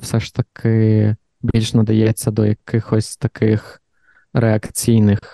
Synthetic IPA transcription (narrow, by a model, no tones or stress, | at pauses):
fsɛʂt̪ɐkʰɪ | bʲilʲʂnɐd̪ɐjɛt͡sʲːɐd̪ɔjɐkɪxɔsʲt̪ɐkɪx | ɾʔɛɐkt͡sʲijnɪx